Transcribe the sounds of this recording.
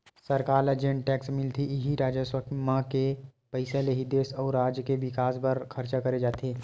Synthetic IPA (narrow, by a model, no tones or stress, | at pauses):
sɐɾkaːɾɐd͡ʒẽɳʈʈɛːksmɪlt̪ʰiʔɪɦiɾaːd͡ʒəswəkmãkepəɪsaleɦid̪eːsɔːɾːaːd͡ʒjəkeʋɪkaːsbɐɾkʰɐɾt͡ʃakɐɾed͡ʒaːt̪eː